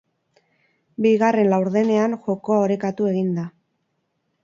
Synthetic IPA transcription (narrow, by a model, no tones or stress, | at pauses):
biɣare̞nlawɾðe̞ne̞anxo̞ko̞ao̞ɾekat̪ue̞ɣind̪a